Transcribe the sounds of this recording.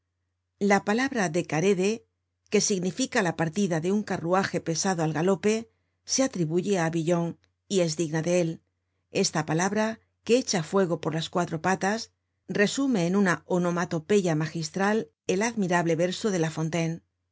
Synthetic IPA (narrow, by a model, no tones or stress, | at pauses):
lapalaβɾaðe̞kaɾe̞ðe̞ | ke̞siɣnifikalapaɾt̪iðaðe̞uŋkaruaxe̞pe̞saðoalɣalo̞pe̞ | se̞at̪ɾiβuʝe̞aβiʎo̞ŋ | ie̞zðiɣnaðeel | e̞st̪apalaβɾa | keet͡ʃafwe̞ɣ̞o̞po̞ɾlaskwat̪ɾo̞pat̪as | re̞sume̞ːnunaono̞mat̪o̞pe̞ʝamaxist̪ɾal | e̞laðmiɾaβle̞βe̞ɾsoðe̞lafo̞nt̪en